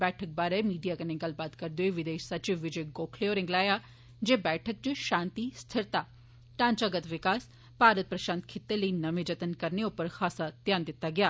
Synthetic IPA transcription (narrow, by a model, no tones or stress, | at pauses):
bɛːʈʰək̚baːɾemiːɖijaːkɐnẽŋɡəlbaːt̪kɐɾd̪oeʋɪd̪eːʃsɐt͡ʃɪʋːɪd͡ʒeɡoːkʰleoːɾɪ̃ŋɡlaːja | d͡ʒeːbɛːʈʰək̚t͡ʃʃãːnt̪ist̪ʰəɾt̪aː | ʈãːnt͡ʃaɡət̪ʋɪkaːs | paːɾət̪̚pɾɐʃaːnt̪kʰɪt̪ːeləiːnɐʋẽd͡ʒɐt̪ənkɐɾneʊpəɾxʰaːsat̪jaːnd̪ɪt̪ːaɡɪjaː